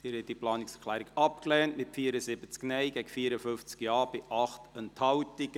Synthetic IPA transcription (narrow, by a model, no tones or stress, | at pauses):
d̥iːɾhɛtːiplɑːnɪksɛkʰlæːɾiɡɑp̚klɛːntmɪtfiːəɾəsɪbət͡sknɛjɡɛɡəfiːəɾəfʏnft͡skjɑːbɪʔɑχtənthɑwtɪk